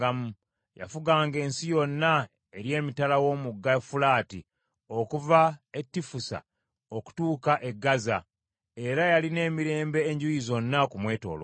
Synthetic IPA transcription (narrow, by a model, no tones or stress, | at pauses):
amu | ja̰fuɡaːŋɡe̞ːnsijo̞nːa | eɾje̞ːmitalawo̞ːmuɡːafulaːti | o̞kuvaetːifusa̰ | oku̥tuːkaʔe̞ɡːaza | e̞ɾajaline̞ːmiɾe̞ːmbe̞ːɲɟujizo̞nːakumwe̞ːto̞̰ːlo̰